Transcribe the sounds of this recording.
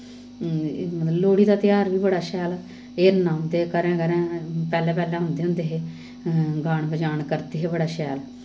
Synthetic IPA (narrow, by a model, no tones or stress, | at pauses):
mət̪ləloːɽiːd̪aːt̪ɪjaːɾʋiːbəɽaːʃɛːl | eːɾnaːmd̪eːkəɾɛ̃ːkəɾɛ̃ːpɛːlɛ̃ːpɛːlɛ̃ːɦʊ̃nd̪eːɦʊ̃nd̪eːɦeː | ɡaːɽbəd͡ʒaːɳkəɾd̪eːɦeːbəɽaːʃɛːl